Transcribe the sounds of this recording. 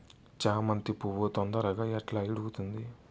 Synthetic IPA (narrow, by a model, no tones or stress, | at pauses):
t͡ʃaːmɐnt̪ipuʋot̪ɔnd̪ɐɾɐɡaːɛʈlaːiɽuɡut̪und̪i